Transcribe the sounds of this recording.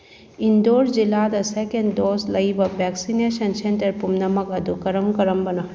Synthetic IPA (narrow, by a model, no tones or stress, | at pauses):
ind̪oːɾd͡ʒilːad̪asekeɳɖdoːslɐjʋɐbɛksineʃɐnseɳʈɐɾpumnɐmɐkɐd̪ukɐɾəmkɐɾəmbɐnɐ